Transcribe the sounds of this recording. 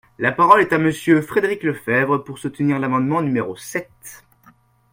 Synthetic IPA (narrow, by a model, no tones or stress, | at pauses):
lapaʁɔlɛt̪aməsjøfχed̪eʁikləfɛvʁəpuʁsut̪niʁlamɑ̃d̪mɑ̃nymeʁosɛt̪